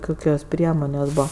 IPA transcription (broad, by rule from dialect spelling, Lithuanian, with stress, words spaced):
ˈkʊkʲoːs ˈpʲrʲiɛmoːnʲeːsʲ ˈbuːʋɐ